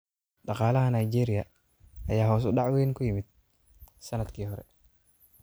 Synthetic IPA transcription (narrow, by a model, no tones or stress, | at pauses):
ɖɑqɑːlɐɦɐnajd͡ʒɛːɾɪjɐ | ɐjaːɦɔːs̬ʊɖɑʕweːŋkʰʊjɪmɪd̪̚ | sɐnɐd̪kʰiːɦɔɾɛ̰